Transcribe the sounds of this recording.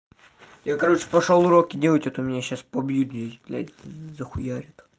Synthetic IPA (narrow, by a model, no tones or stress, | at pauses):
jakɐɾot͡ʃɨ̥pɐʂolˠʊɾokʲɪdʲelˠətʲot̪ʊmʲɪnʲaɕːaspɐbjud̪jʲedlʲa̰zəxʊjaɾʲɪt̪